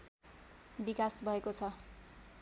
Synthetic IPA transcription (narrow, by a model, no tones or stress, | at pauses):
bikasbʱʌekot͡sʰʌ